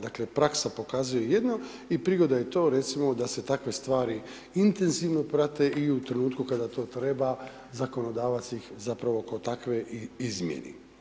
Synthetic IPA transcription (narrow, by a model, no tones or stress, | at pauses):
d̪akle̞pɾaksapo̞kaːzujojed̪no̞ | ipɾiɡo̞d̪ajet̪o̞ːɾe̞t̪simo̞d̪ase̞t̪akʋe̞st̪ʋaːɾi | int̪e̞nziʋno̞pɾat̪e̞iut̪ɾe̞nuːt̪kukad̪at̪o̞ːt̪ɾe̞ba | zako̞no̞d̪aːʋat̪sixzapɾaʋo̞kot̪akʋe̞izmjḛnḛ